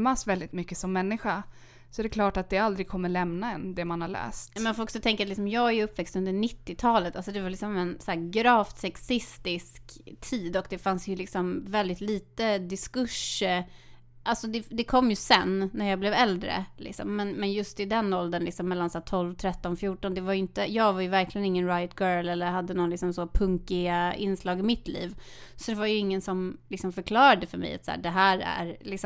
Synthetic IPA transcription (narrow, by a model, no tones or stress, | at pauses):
masvɛld̪ɪt̪mʏkːəsɔmːɛnːɪɧa | sɔæɾɛkʰlɑːʈat̪̚d̪ɛald̪ɾɪɡ̚kʰɔmːəɭɛmnaɛnd̪ɛmanhaɭɛ̰ːst̪mɛnfoɔksɔt̪ʰɛŋkəɾat̪lɪks̬ɔmjɑːɡæɾjɵpːvɛkst̪ɵnd̪əɳɪt̪ːɪt̪ʰɑːlət̪alsɔd̪ɛvalɪksɔmɛnsæːɾɡɾɑːft̪sɛksɪst̪ɪskt̪ʰiːd̪ɔkd̪ɛfansjɵlɪksɔmvɛld̪ɪt̪liːt̪əd̪ɪskɵʂːə | ʔalsɔd̪ɛd̪ɛkʰɔmːjɵsɛnːæɾjɑːɡblɛvɛld̪ɾə̰lʔɪ̰ksɔ̰mːɛnmɛnjɵst̪ɪd̪ɛnːɔld̪ənlɪksɔmːɛlːansaæːt̪ʰɔlvt̪ʰɾɛt̪ːɔnfjuːʈɔnd̪ɛvaɾjʏɪnt̪əjɑːɡvajɵvæɾkʰlɪɡənɪŋːənɾajt̪̚ɡœːlɛlːəɾhad̪ːənɔnlɪksɔmsɔpʰɵŋkɪaɪ̰nslɑːɡɪmɪt̪lḭːv | sɔd̪ɛvajɵɪŋːənsɔmlɪksɔmfœɾkʰlɑːɾad̪əfœɾmɛ̰jat̪sæ̰ːɖɛɦæːɾæ̰ɾlɪksɔ